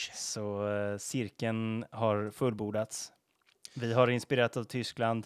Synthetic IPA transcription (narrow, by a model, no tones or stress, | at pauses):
sɔsɪɾkənɦaɾfɵlbuːɖ̪at̪s | vɪɦaɾɪnspɪɾeːɾat̪avt̪ʰʏskland̪